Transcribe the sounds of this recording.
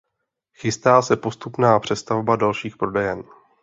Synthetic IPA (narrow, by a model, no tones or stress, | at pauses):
xɪst̪aːsɛpo̞st̪upnaːpr̥ɛst̪avbadalʃiːxpɾo̞dɛjɛn